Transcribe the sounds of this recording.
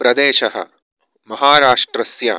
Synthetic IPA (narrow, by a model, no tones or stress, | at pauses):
pɾɐd̪eːʃɐɦɐ̰ | mɐɦaːɾaːʂʈɾɐsja̰